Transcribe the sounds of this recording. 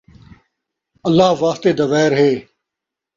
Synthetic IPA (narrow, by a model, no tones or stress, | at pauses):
ɐlːaːʋaːst̪eːd̪ɐʋɛːɾɦeː